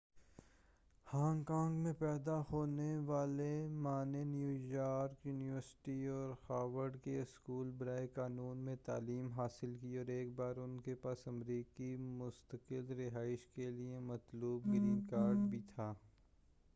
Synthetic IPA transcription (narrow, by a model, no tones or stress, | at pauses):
hãːŋɡkãːŋɡmẽpɛːd̪ahoːneʋaːlemaːnenjuːjaːɾkjuːnɪʋəɾsɪ̥ʈiɔːɾhaːʋəɾɖkeɪskuːlbɐɾaːekaːnuːnmẽt̪aːliːmɦaːsɪlkiɔːɾeːk̚baːɾʊnkepaːsɐmɾiːkimʊst̪əkɪlɾɪɦaːɪʃkeliemɐt̪luːbɡɾĩːnkaːɾɖbʱit̪ʰaː